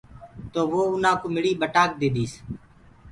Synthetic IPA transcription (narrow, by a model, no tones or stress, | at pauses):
t̪oːʋoːʊnãːkoːmɪɽiːɓəʈaːk̚d̪eːd̪iːs